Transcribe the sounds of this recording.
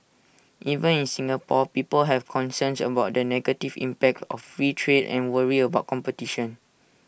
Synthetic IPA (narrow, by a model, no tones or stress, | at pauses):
ʔivə̃nĩnsĩŋapɔpipəlɦɛvkʰɔ̃nsə̃nsə̰baʊt̚dənɛɡətivḭ̃mpɛk̚tɔ̰ffɹitʰɹedɛ̰̃nwəɹiəbaʊt̚kɔ̃mpətiʃɔ̃n